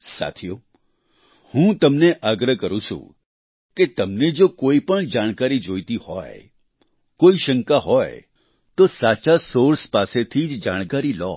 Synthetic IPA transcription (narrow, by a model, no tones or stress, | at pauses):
sa̰t̪ʰijo | hũt̪əmneʔaɡɾəkəɾũt͡ʃʰṵ̃ | ket̪əmned͡ʒokoipəɳd͡ʒaɽ̃kaɾid͡ʒojt̪ihɔ̰j | koiʃəŋkaɦɔj | t̪osat͡ʃasoɾspaset̪ʰid͡ʒd͡ʒaɽ̃kaɾilɔ̰